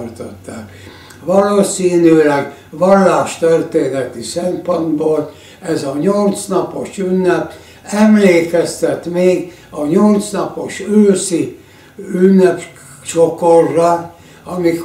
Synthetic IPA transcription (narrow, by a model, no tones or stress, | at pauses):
rt̪ot̪ːaːk | ʋɒloːsiːnyːlɛɡ | ʋɒlːaːʃt̪ørt̪eːnɛt̪isɛmpond̪boːl | ɛzɒɲolt̪snɒpo̞ʃynːɛp | ɛmleːkɛst̪ɛt̪meːɡ | ɒɲolt̪snɒpo̞ʃøːsi | ynːɛp | t͡ʃokorːɑ | ɒmik